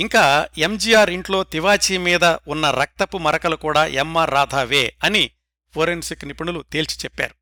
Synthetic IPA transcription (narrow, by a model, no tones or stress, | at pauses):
iŋkaːemd͡ʒiːjaːɾiɳʈlo̞ːt̪iʋaːt͡ʃiːmiːd̪ɐunːɐɾɐk̚t̪ɐpumɐɾɐkɐlukuːɽaːʔemːɐɾaːd̪ʱaːʋeːɐni | pʰoɾensiknipɐɳulut̪eːlt͡ʃi̥t͡ʃɛpːa̰ːɾu